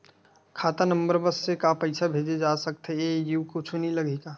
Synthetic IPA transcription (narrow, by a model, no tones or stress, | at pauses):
kʰaːt̪anəmbəɾbəsːekapəɪsabʱeːd͡ʒed͡ʒaːsək̚t̪eejukʊt͡ʃʰuniləɡekaː